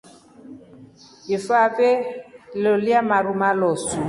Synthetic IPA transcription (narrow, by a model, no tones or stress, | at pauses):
ifaveloliamaɾumalɔsu